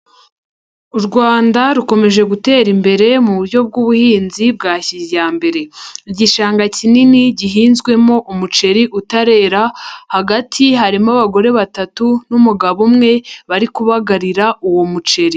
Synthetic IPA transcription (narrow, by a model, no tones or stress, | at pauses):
uɾɡwaːndaɾuko̞me̞ʒe̞ɡute̞ːɾimbe̞ɾe̞muuɾjo̞b̚ɡuβuhiːnzib̚ɡaːçizjaːmbe̞ɾe̞ɟiʃaːŋɡacininiɟiɦiːnzɡwe̞mo̞ʔumut͡ʃe̞ɾiʔutaɾe̞ːɾahaɡatʰiɦaɾimaβaɡo̞ɾe̞βatatunumuɡaβumŋe̞βaɾikuβaɡaɾiɾaʔuwo̞mut͡ʃe̞ɾi